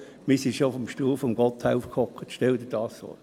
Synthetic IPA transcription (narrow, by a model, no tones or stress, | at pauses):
misiʃofɔmʃtuːfɔmɡ̥ɔt̪ʰhaʊfkʰɔkətʃtɛldəd̥ɑːsso̰